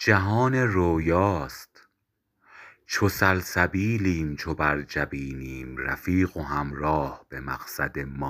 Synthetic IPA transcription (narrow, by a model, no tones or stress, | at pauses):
d͡ʒæɦɒːne̞ɾoːjɒːst̪ | t͡ʃʰosælsæbiːliːmt͡ʃʰobæɾd͡ʒæbiːniːmɾæ̰fiːɣoɦæmɾɒːhb̥e̞mæ̰ɣ̥sæd̪e̞mɒː